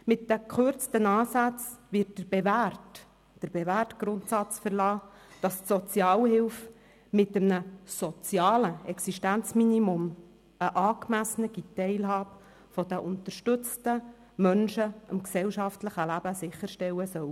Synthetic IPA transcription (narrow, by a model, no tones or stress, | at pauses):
mɪtd̥əkχʉɾt͡stənɑːsæt͡svɪːt̚d̥əɾb̥evært | d̥əɾb̥eværtɡ̥ɾʊntsɑt͡sfəɾlɑː | d̥ɑstsɔt͡sjɑːlhɪwf | mɪt̪əmnəsɔt͡sjɑːləɛksiʃtænt͡sminimʊm | əʔɑːkmæsənəɡit̪ːɛɪlɦɑːbə | fɔd̥̪əʔʊnt̪əɾʃtʏt͡stə | mœnʃəɑmksɛwʃɑftləχəlæbəsɪχːəɾʃtɛwəsœw